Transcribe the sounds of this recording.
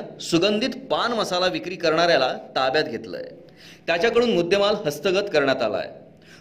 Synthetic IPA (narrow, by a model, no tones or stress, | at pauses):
suɡənd̪ʱit̪panməsalaʋikɾiːkəɾɳaɾjalat̪abjat̪ɡʱet̪lə̰j | t̪jat͡ɕjakəɽuːnmud̪ʱːjəmalɦəst̪əɡət̪kəɾɳjat̪a̰la̰j